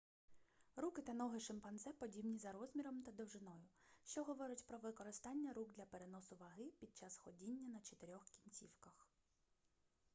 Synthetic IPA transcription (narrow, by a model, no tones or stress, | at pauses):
ɾukɪt̪ɐnɔɦɪʃɪmpɐnzɛpɔdʲibnʲizɐɾɔzʲmʲiɾɔmt̪ɐd̪ɔwʒɪnɔjʊʃt͡ʃɔɦɔʋɔɾʊtʲpɾɔʋɪkɔɾɪst̪ɑnʲːɐɾuɡd̪lʲɐpeɾenɔsʊʋɐɦɪpʲid̪̚t͡ʃɑsxɔdʲinʲːɐnɐt͡ʃet̪eɾʲɔxkʲinʲt͡sʲiwkɐx